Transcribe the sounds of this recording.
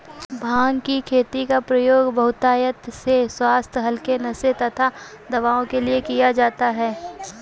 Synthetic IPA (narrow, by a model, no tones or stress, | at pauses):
bʱaːŋɡkikʰeːt̪ikapɾɐjoːɡbɐɦʊt̪aːjət̪seswaːst̪ʰɦɐlkenɐset̪ɐt̪ʰa | d̪ɐʋaːõkeliekijad͡ʒaːt̪aɦɛː